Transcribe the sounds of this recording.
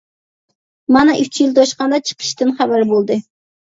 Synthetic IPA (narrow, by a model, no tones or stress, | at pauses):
mɑnɨʔyt͡ʃʰjilt̪ʰɑʃqɑnd̪ɑt͡ʃʰə̥qʰə̥ʃt̪ɨnχæbæɾbolˠd̪ɨ